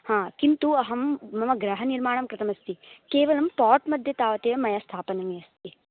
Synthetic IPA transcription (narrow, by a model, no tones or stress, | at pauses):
hãːkint̪uɐɦɐmːɐmɐɡɾɐɦɐniɾmaːɳɐmkɾɐt̪ɐmɐst̪ikeːʋɐlɐmpaːʈmɐd̪ʱjɐt̪aːʋɐt̪eːɐmɐjɐst̪ʰaːpɐnɐmjɐst̪ʰi